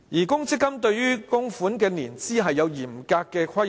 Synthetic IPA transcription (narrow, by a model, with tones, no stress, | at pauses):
jiː˨˩kʊ˥ŋt͡sʰɪ˥kːɐ˥mt̪ɵ˧ɥjyː˥kʊ˥ŋfuː˨˥nkɛː˧niː˨˩nt͡siː˥ɦɐ˨jːɐ˨˧wjiː˨˩mkaː˧kːɛː˧kʷʰwɐ˥j